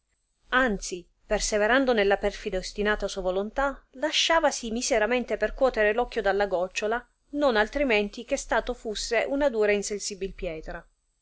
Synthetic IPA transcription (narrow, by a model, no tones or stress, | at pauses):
ant̪si | perseveɾand̪onelːapɛrfid̪aost̪inaːt̪asuavolont̪alaʃːaːvasimizeɾamɛnt̪eperkwɔːt̪eɾelɔkːjod̪alːaɡɔt͡ʃːola | nonalt̪ɾiment̪ik̟est̪aːt̪ofusːeʔunad̪uːɾainsensibilpjɛːt̪ɾa